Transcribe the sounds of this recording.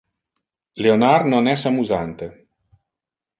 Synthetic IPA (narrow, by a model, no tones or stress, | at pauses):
leonarnonɛsamuzant̪e